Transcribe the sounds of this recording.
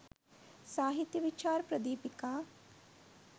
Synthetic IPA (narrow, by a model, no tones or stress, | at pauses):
saːɦit̪jɐʋit͡ʃaːɾpɾɐd̪iːpikaː